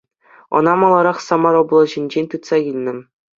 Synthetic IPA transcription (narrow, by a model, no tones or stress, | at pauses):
ɤ̰̆nɑmɑlˠɑɾɑχsɑmɑɾoblˠɤ̆ʑĭnʲd͡ʑenʲt̪ut̪sɑɡʲilʲnʲɘ̆